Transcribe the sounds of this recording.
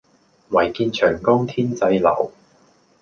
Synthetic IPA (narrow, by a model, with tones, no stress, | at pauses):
wɐ˨˩jkiː˧nt͡ʃʰœː˨˩ŋkʊ˥ŋt̪ʰiː˥nt͡sɐ˧jlɐ̰˨˩w